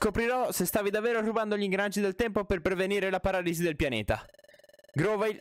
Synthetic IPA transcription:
skopɾiɾɔsest̪aːvid̪avːeːɾoruband̪oʎiŋɡɾanat͡ʃːid̪elt̪ɛmpoperpɾeveniːɾelapaɾaːlizid̪elpjanḛːt̪a̰ | ɡɾoːva

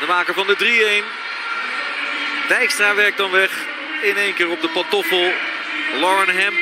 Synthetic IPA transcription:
dəmaːkəvɑndədriejn | dəɛkstraːʋɛɹk̚dɑnʋɛχ | ɪnejnkɪːrɔp̚dəpɑntɔfəlˠ | lɔɹənɦɛm

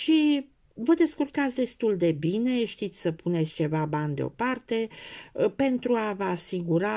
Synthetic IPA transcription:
ʃi | vəd̪e̞skurkat̪sʲd̪e̞st̪uld̪e̞bine̞ʃt̪it̪sʲsəpʰune̞t̪sʲt͡ʃe̞vaband̪eo̞̰part̪e̞ | pe̞nt̪ɾuavəasiɡuɾa

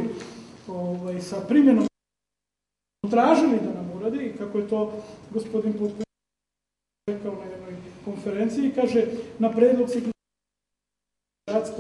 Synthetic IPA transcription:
oʋajsapɾimje̞no | t̪ɾaːʒilid̪anamuɾad̪ikakojet̪o̞ːɡospo̞d̪inpot̪p | ekaonajed̪no̞jko̞nfeɾent̪siːkaːʒenapɾeːd̪lot̪sikn | ɾat̪sk

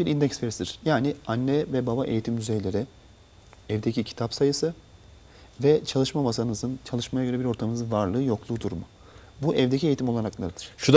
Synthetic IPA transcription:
biɾind̪ɛcsfeɾisid̪iɾ̥jaːnianːɛvɛbabaʔejit̪imd̪yzejlʲe̞ɾɪ | ɛvd̪ecicʰi̥t̪ʰapsajɯsɯ | vɛt͡ʃʰalˠɯʃmamasaɯnɯzɯnt͡ʃʰalˠɯʃmajaɡø̞ɾɛbiɾo̞ɾt̪ʰamɯɯzɯnvaɾlˠɯːjo̞klˠuːd̪uɾumʊ | buʔɛvd̪ecʰie̞jit̪imo̞lˠaɾaklˠaɾɯd̪̥ɯɾ̥ʃud̪

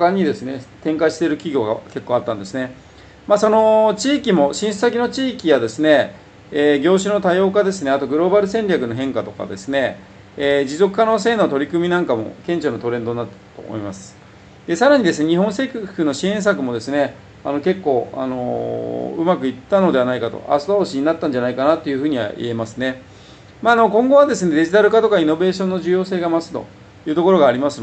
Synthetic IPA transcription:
kaɲ̟ːid̪e̞sɨne̞t̪ẽŋkaɕi̥t̪eɾɯ̟kʲiɡʲo̞ːɡa̰ke̞kːo̞ːat̪ːãnd̪e̞sɨne̞ | maːso̞not͡ɕiːkʲimo̞ɕĩsɨ̥sakʲino̞t͡ɕiːkʲijad̪e̞sɨne̞ː | ɡʲo̞ːɕ̬ɨno̞t̪ajo̞ːkad̪e̞sɨne̞at̪o̞ɡɯ̟ɾo̞baɾɯ̟sẽ̞ɲɾʲakɯ̟noɦẽ̞ŋkat̪o̞ka̰d̪e̞sɨne̞ | d͡ʑizo̞kɯ̟kano̞ːs̬e̞ːno̞t̪o̞ɾʲikɯ̟mʲinãŋkamo̞̰kẽ̞ɲ̟t͡ɕonot̪o̞ɾẽ̞nd̪onːat̪ːat̪o̰ːmo̰imasɨ̥ | d̪̥e̞saɾaɲ̟id̪e̞sɨne̞ɲ̟iɦõɰ̃se̞kʲɯhɯno̞ɕiẽ̞ɰ̃s̬akɯ̟mo̞d̪e̞sɨne̞ | ano̞ke̞kːo̞ːa̰no̞̰ | ɯ̟makɯ̟it̪ːano̞d̪e̞anaikat̪o̞̰a̰sod̪aoɕiɲ̟inat̪ːãɲ̟d͡ʑanaikanat̪ːe̞jɯ̟ɸɯ̟ːɲ̟iβa̰ʔḭe̞masɨne̞ | maːno̞kõ̞ŋɡo̞βad̪e̞sɨne̞d̪e̞ʑit̪aɾɯ̟kat̪o̞kaino̞be̞ːɕõ̞nːoʑɨjo̞ːse̞ːɡamasɨ̥t̪o̞̰ | jɯ̟ːt̪o̞ko̞ɾo̞ɡaːɾʲimasɨn

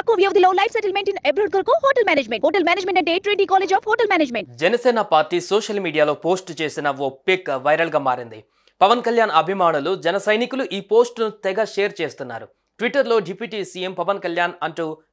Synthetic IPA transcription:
ɐkuʋjɐʋd̪iloːlɐjpsɐʈɐlmeɳʈinebɾuɽkɐɾkuɦoːʈɐlmʲaːneːd͡ʒmeɳɦoːʈɐlmaːneːd͡ʒmeɳʈɐɳʈeːʈɾiːʈiːkaːled͡ʒɔːpɦoːʈɐlmaːneːd͡ʒmeɳʈd͡ʒɛnɐsɛːnɐpaːɾʈiːsoːʂɐlmiːɖijaːlo̞ːpo̞ːsʈt͡ʃe̞ːsinɐopːekʋɐjɾɐlɡaːmaːɾind̪i | pɐʋɐnkɐljaːnɐbʱimaːɳulud͡ʒɛnɐsɐjnikuluʔiːpo̞ːsʈnut̪ɛɡɐʃeːɐɾt͡ʃe̞ːst̪unːa̰ːɾu | ʈʋiʈːɐɾlo̞ːɖipiːʈiːsiːempɐʋɐnkɐljaːnɐɳʈuː

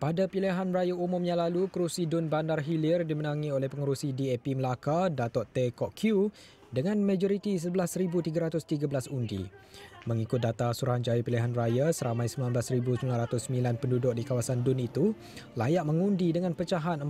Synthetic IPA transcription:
padapiliɦanrajaumʊmjãŋlalukɾusidʊnbandarɦilirdimənãŋiolɛhpəŋuɾusidiɛpiməlakadat̪ɔʔt̪ekɔʔkʰju | dəŋãnmãd͡ʒɔɾit̪is̬əbəlasəɾibut̪iɡaɾat̪ʊst̪iɡabəlasundḭmə̃ŋikʊt̪̚dat̪asuɾaɦand͡ʒajapiliɦanrajasəɾamãjsəmbilanbəlasɾibusəmbilanɾat̪ʊsəmbilanpəndudʊk̚dikawasandʊnit̪u | lajaʔmə̃ŋundidəŋãnpət͡ʃaɦanə

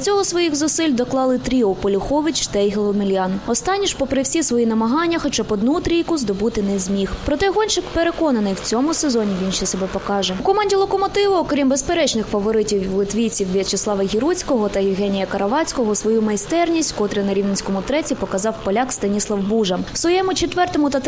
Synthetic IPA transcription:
t͡sʲɔɦɔsʋɔjixzʊsɪlʲd̪ɔklˠɑlˠɪt̪ɾʲiɔpɔlʲʊxɔʋit͡ʃt̪ɐjɦelˠɔmilʲjɑnɔst̪ɑnʲːiʃpɔpɾɪwsʲisʋɔjinɐmɐɦɑnʲːɐxɔt͡ʃapɔd̪nut̪ɾʲijkʊzd̪ɔbut̪ɪnɛzʲmʲixpɾɔt̪ɛɦɔnʲt͡ʃɪkpeɾekɔnɐnɪjwt͡sʲɔmʊsezɔnʲiʋʲinʃɛsɛbɛpɔkɑʒɛukɔmɑnʲdʲilˠɔkɔmɔt̪ɪʋʊɔkɾʲimbespeɾɛt͡ʃnɪxfɐʋɔɾɪtʲiwwlˠɪt̪ʋʲijt͡sʲiwʋʲɐt͡ʃɪsˠɑʋɐɦʲiɾut͡sʲkɔɦɔt̪ɐjɪwɦɛnʲijɐkɐɾɐʋɑt͡sʲkɔɦɔsʋɔjumɐjst̪ɛrnʲisʲtʲkɔt̪ɾɪnɐɾʲiwnenʲsʲkɔmʊt̪ɾɛt͡sʲipɔkɐzɑwpɔlʲakst̪ɐnʲislˠɐwbuʒɐmsʋɔjɛmʊt͡ʃet̪ʋɛrt̪ɔmʊt̪ɐt̪

